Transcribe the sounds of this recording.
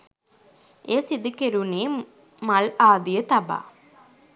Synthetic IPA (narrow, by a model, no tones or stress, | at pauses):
eːsid̪ukeɾuneː | malaːd̪ijət̪aba̰ː